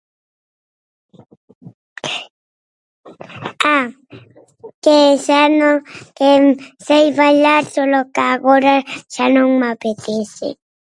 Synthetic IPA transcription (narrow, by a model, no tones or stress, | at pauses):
a | kesanokemsajβaʎat̪olokaɣoɾaʃanoŋmapet̪ɪsɪ̰